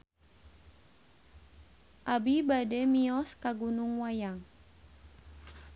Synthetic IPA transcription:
ʔabibadɛmiɔskaɡunuŋwajaŋ

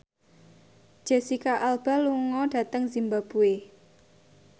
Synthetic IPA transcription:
ʒ̥ɛsikaʔalb̥a̤luŋɔɖ̥ä̤t̪əŋzimbab̥ue

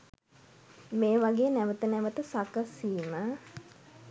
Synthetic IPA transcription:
meːʋaɡeːnæʋət̪ənɛʋət̪əsakəsiːmə

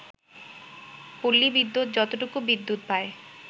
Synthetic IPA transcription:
pulːibid̪ːut̪̚d͡ʑɔt̪oʈokubid̪ːut̪̚pae

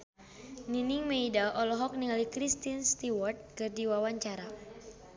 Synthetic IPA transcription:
niniŋmeidaʔɔlɔɦɔk̚niŋalikɾist̪inst̪iwɔrt̪̚kɨrdiwawaɲt͡ʃaɾa

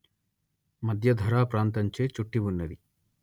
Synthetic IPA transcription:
mɐd̪ʱjɐd̪ʱɐɾaːpɾaːnt̪ɐɲt͡ʃeːt͡ʃuʈːibunːɐd̪i

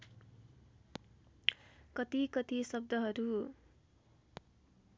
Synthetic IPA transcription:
kʌt̪ikʌt̪isʌb̚d̪ʌɦʌɾu

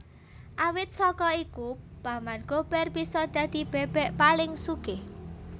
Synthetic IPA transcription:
ʔawɪt̪̚sɔkɔikupamanɡ̥o̤b̥ɛrbisɔd̪̥ä̤d̪̥i̤b̥ɛb̥ɛʔpalɪŋsuɡ̥eh

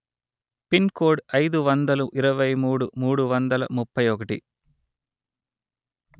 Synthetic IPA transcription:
pinkoːɖɐjd̪uʋɐnd̪ɐluʔiɾɐʋɐjmuːɽumuːɽuʋɐnd̪ɐlɐ̰mupːɐjɔkɐʈḭ

